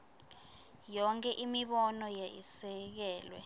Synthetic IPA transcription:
jɔŋkʰʼɛʔimiɓɔnɔjaisɛk̬ɛːlwɛ̰

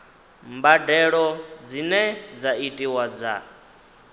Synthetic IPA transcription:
mbadɛɺɔd͡zinɛd͡zaitʼiwad͡za̰

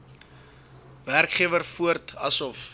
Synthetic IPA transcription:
værkχiəvərfuərtɐsɔf

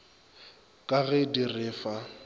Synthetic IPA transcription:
kʼaɣɛdirɪːfa

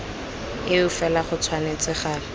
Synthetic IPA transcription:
ɪʊfɛlaχʊt͡sʰwanet͡sɪχaːl

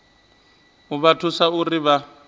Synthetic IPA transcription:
ʊβatʰʊsaʊrɪβa

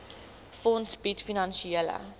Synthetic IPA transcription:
fɔntsbitfinɑnʃielə̰

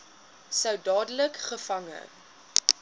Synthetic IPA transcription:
səwdɑːdələkχəfɐŋə̰

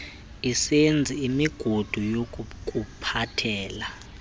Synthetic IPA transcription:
isend͡zʱiːmiɡ̥ʱod̥ʱujok̬ʼkʼupʰatʰɛːla

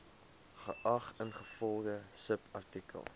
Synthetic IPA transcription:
χəʔɐχənχəfɔlˠdəsəpʰɐrtikə̰lˠ

